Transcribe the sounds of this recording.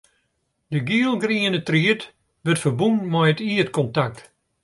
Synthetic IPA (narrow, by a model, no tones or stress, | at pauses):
dəɡiəlˠɡriənətriət | ʋərtfərbunmɛjətiətkɔntak̚t